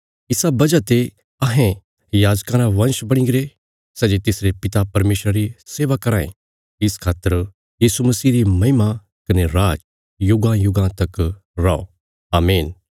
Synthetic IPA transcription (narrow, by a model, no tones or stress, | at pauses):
ɪsabɐd͡ʒat̪e | ɐɦẽ | jaːd͡ʒkaːɾãʋɐ̃nʃbɐɽ̃ĩɡɾe | sɛːd͡ʒet̪ɪsɾepɪt̪apɐɾmeːʃɾaɾiseːʋakɐɾaːḛ̃ | ɪskʰaːt̪ːəɾ | jiːsumɐsiːɾimɐɦɪma | kɐneɾaːd͡ʒ | jʊɡãjʊɡãt̪ɐk | ɾaːo̰ | aːmeːn